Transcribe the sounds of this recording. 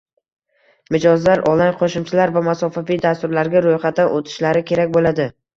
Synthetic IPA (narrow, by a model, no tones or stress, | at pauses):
mɪd͡ʒɒzlaɾʔɒlˠajqʰoʃɪmt͡ʃʰɪlaɾvamasɒfavijd̪ast̪ʊɾlaɾɡʲaɾojχat̪ːanʔot̪ʰɪ̥ʃlaɾɪkʲʰe̞ɾakʲbolad̪ɪ